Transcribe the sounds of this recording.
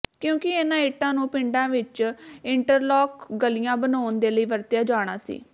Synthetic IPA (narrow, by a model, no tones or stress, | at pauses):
kjõːkɪenãːɪʈːãːnũːpɪ̃ɳɖãːʋɪt͡ʃɪɳʈəɾlɔːkɡəlijãːbənaːnd̪eːləiːʋəɾt̪ɪjaːd͡ʒaːɽ̃aːsḭː